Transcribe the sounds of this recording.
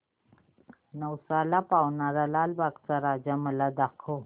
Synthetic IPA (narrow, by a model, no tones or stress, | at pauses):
nəwsalapawnaɾalaːlbakt͡saɾaːd͡ʑaməlad̪akʰo